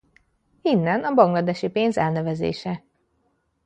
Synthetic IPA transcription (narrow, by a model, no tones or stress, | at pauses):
inːɛnɒbɒŋɡlɒd̪ɛʃipeːnzɛlnɛvɛzḛːʃɛ